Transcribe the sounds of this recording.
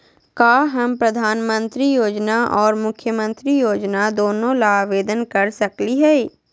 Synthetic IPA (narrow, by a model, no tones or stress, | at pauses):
kaːɦɐmpɾɐd̪ʱaːnmə̃nt̪ɾijoːd͡ʒnaʔɔːɾmʊkʰjəmə̃nt̪ɾijoːd͡ʒnad̪oːnõlaːʋeːd̪ənkɐɾsɐkliɦɛː